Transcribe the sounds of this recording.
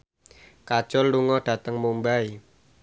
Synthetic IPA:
kad̥ʒ̥ɔlːuŋɔɖ̥a̤t̪əŋmumbai

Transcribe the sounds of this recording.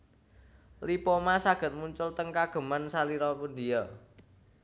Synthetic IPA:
lipɔmasaɡ̥ə̤t̪̚muɲt͡ʃʊlt̪əŋkaɡ̥ə̤mansaliɾɔpʊnd̪ijɔ

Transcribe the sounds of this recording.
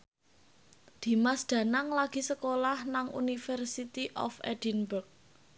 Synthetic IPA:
d̪̥i̤masd̪̥ä̤naŋlaɡ̥i̤səkolahnaŋṵnifɛrsit̪iʔɔ̰fɛ̰d̥inburk̚

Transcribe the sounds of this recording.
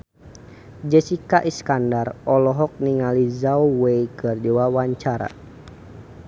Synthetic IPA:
d͡ʒɛsikaʔiskandarɔlɔɦɔk̚niŋalizauwejkɨrdiwawaɲt͡ʃaɾa̰

